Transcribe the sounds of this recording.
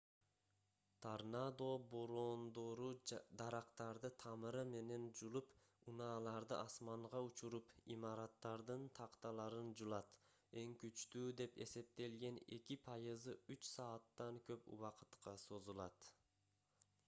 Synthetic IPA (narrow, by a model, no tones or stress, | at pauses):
t̪ʰaɾnad̪o̞boɾoːnd̪o̞ɾud̪ɑɾɑqt̪ɑɾd̪ɯt̪ʰɑmɯɾɯme̞ne̞nd͡ʒulˠupunɑːlˠɑɾd̪ɯʔɑsmɑɴʁɑut͡ʃuɾupimɑɾɑt̪ːɑɾd̪ɯnt̪ʰɑqt̪ɑlˠɑɾɯnd͡ʒulˠɑt̪ | e̞ŋkyt͡ʃt̪yːd̪e̞pe̞̰se̞p̚t̪e̞lɡe̞ne̞̰kipʰɑjɯzɯyt͡ʃsɑːt̪ːɑŋkø̞pṵwɑqɯ̥t̪qʰɑso̞zulˠɑt̪